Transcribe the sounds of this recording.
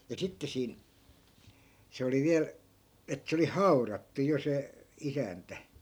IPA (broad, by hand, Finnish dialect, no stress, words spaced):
jɑ sitːe siːn se oli ʋiæl et se oli hɑu̞rɑtːu jo se isæntæ